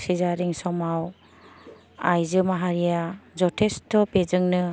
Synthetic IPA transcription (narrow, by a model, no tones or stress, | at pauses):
sizaɾiŋsɔmaw | ajzɯmaɦaɾijazɔtʰestʰːɔpezɯŋnɯ